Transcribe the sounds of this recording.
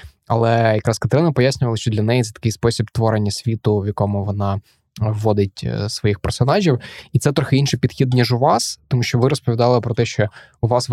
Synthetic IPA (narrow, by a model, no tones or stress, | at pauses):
ɐ̰lˠɛjɐkɾɑskɐt̪ɐɾɪnɪpɔjasʲnʲʊʋɐlˠɐʃt͡ʃɔd̪lʲɐnɛjit̪sɛt̪ɐ̥kɪjspɔsʲibt̪ʋɔɾenʲːɐsʲʋʲit̪ʊʋʲjɐkɔmʊʋɔnɑ | ʋːɔd̪ɪtʲsʋɔjixpɛrsɔnɑʒʲiwit̪sɛt̪ɾɔxɪinʃɪjpʲid̪xʲid̪̚nʲiʒʊʋɑst̪ɔmuʃt͡ʃɔʋɪɾɔspɔʋʲid̪ɑlˠɪpɾɔt̪ɛʃt͡ʃɔ | ʊʋɑsʋ